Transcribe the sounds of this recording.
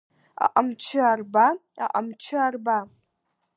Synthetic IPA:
a̰ʔamt͡ʃʰɨarbaa̰ʔamt͡ʃʰɪarba

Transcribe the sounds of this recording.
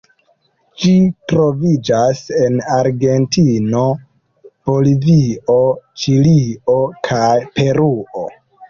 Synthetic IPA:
d͡ʒitɾo̞vid͡ʒase̞naɾɡe̞ntino̞ | b̥o̞livio̞t͡ʃilio̞kʰajpe̞ɾuo̞̰

